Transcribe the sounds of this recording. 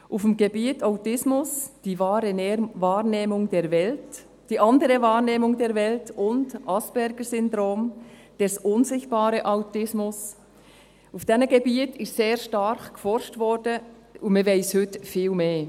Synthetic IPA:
ʔufəmɡebiːtaʊtɪsmʊsd̥iːvɑːɾənevɑːɾneːmʊŋdɛːɾvɛlt | d̥iːʔɑndəɾəvɑːɾneːmʊŋdɛːɾvɛltʊndʔɑsb̥ɛɾɡəsʏndɾoːmd̥ɛsʔʊnzɪçt̚b̥ɑːɾəʔaʊtɪsmʊs | ufd̥ɛnəɡ̥ebiːətɪʃtseːɾʃtɑɾχkfɔɾʃtvɔɾdə | ʊmɛveɪshʏtfiːlmeː

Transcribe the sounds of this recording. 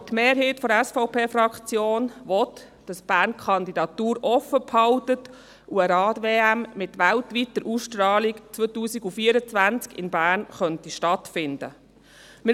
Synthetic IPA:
tmeːɾɦeːtfɔɾɛsfɔʊpʰeːfɾɑkt͡sjoːnʋɔt | d̥ɑsb̥æːɾnkʰχɑnd̪idɑt̪uːɾɔfəphɑltət | uəɾɑːdʋeːæmmɪtʋæltʋitːəɾʔusʃtɾɑːlikt͡sʋotuːsiɡufiːəɾət͡sʋænt͡skɪ̰nbæːɾnχœntiʃtɑtfɪndə̰ | mɪ

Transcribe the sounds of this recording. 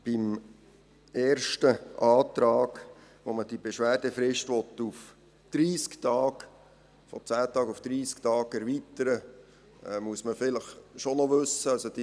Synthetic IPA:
b̥ɪm | ɛːɾʃtəʔɑːt̪ɾɑːɡ | ʋoməd̥ibeʃʋæːɾd̥əfɾɪʃtʋɔt̪ːuf | d̪̥ɾiːskt̪ɑːɡ | fɔt͡sæːt̪ɑːɡufd̪̥ɾiːsktɑːɡɛɾʋit̪əɾə | ɛmuəsməfɪləχʃonɔʋɵsːəɑsod̥i

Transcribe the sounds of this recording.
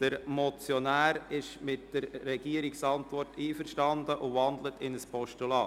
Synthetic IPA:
d̥əɾmɔt͡sjɔnæːɾɪʃmɪtd̥əɾːɛɡ̥iəɾɪksɑntʋɔrtʰiːfəɾʃtɑndəʔʊvɑnd̪lətɪnəspʰɔʃtulɑː

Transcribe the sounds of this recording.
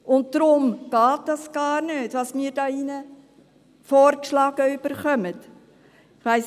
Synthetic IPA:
ʔʊntd̥ɾʊmɡ̥ɑːt̚d̥ɑsɡ̥ɑːɾnøːtʋɑsmiːɾdɑːinə | foːrkʃlɑːɡəyb̥əɾχœmət | ɪχʋæɪs

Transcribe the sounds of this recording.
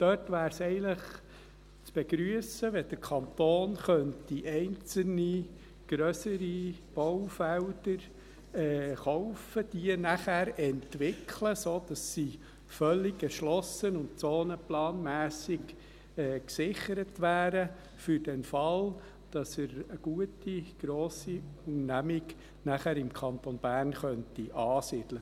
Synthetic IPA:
d̥œtʋæːɾsɛɪləχ | t͡sb̥ɛɡɾyəsəʋɛd̥əɾkʰɑnt̪oːnχœntiʔɛɪnt͡sl̩ni | ɡ̥ɾœsəɾib̥owfæwdəɾ | ɛːχɔʊfəd̥iənæχæːɾɛntʋɪkʰləsoːd̥ɑsːi | fœlːɪɡɛʃlɔsənʊntt͡soːnəplɑːnmæːsɪɡ | ɛːksɪχəɾətʋæːɾə | fʏɾd̥ɛnfɑl | d̥ɑsəɾəɡ̥uətiɡ̥ɾoːsiuŋnæmɪɡ | næχæɾɪmkʰɑnt̪onb̥æːrnχœntiʔɑːsɪd̥̪lə

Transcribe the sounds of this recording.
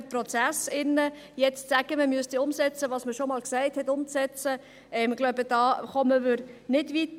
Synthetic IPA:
t̚prɔt͡sæsɪnːə | jɛt͡stsæɡ̥əməmyəstiʊmsɛt͡səʋɑːsməʃomɑːlksæɪthɛtʊmt͡sɛt͡sə | ɛmɡ̥lɔʊbəd̥ɑːχɔməvɪɾnɪdvit

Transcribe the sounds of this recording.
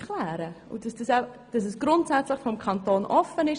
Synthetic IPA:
klæːɾəṵd̥ɑsd̥ɑsa | d̥ɑsɛsɡ̥ɾʊntsɛt͡slɪχfɔmkʰɑntoːnʔɔfənɪʃ

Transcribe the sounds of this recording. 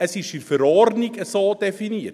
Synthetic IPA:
əsiʃyfəɾɑːrnikəsɑːdefiniər

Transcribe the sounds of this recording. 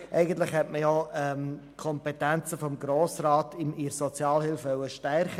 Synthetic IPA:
ʔɛɪɡən̩tlɪχhɛtməjɔɛm | kʰɔmpɛtɛnt͡səfɔmɡɾoːsraːtɪmiɾsɔt͡sjɑːlhɪlfʋœʊəʃtɛrχə

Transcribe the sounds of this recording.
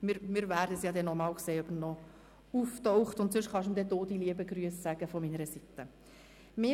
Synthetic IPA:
mɪɾmɪːɾvæːɾdəsjɑːd̪ɛnɔmɑːlkseːœbənnɔ | uft̪ɔʊχtʊntsʏʃχɑʃmd̪ɛtoːd̥iliəbəɡɾyəsːæɡ̥əfɔminəɾəsit̪ə | mɪ

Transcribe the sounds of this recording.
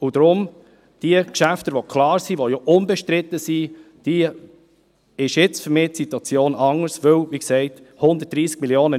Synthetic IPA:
ud̥̪ɾʊm | d̥iəkʃæftəʋokʰlɑːɾsiʋojoʔʊnbɛʃtɾɪt̪ːəsi | d̥i | ɪʃjɪt͡sfʏɾmɪːtsitwɑt͡sjoːnɑŋəɾsʋɵwʋiksɛɪt | hʊnd̪ət̚d̥ɾiːsɡ̥̚miljoːnə

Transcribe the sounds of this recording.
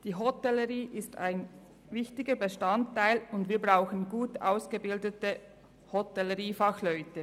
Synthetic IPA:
d̥iːɦɔtɛləʁiːʔɪsta̰ɪn | vɪçtɪɡəbəʃtantːaɪlʊndviːɐbʁaʊxən̩ɡuːtʔa̰ʊsɡ̥əbɪldətə | hɔtɛləʁiːfɑxlœʏtə

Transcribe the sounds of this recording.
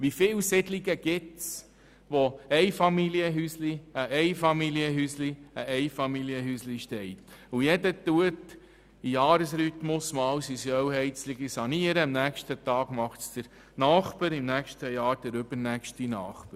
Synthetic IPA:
ʋifɪːwsɪdliɡəɡ̥ɪts | ʋoɛɪfɑmiliəɦysliəʔɛɪfɑmiliəɦysliəʔɛɪfɑmiliəɦysliʃtɛɪt̪ujɛdətuət | ijɑːɾəsɾyt̪mʊsmɑːwsisjœwɦɛɪt͡sliɡisɑniəɾəəmnæːkʃtət̪ɑːɡ̥mɑχtsd̪̥əɾ | nɑːχpəɾɪmnæːkʃtəjɑːɾd̥əɾɵb̥əɾnæːkʃtinɑ̰ːχpə

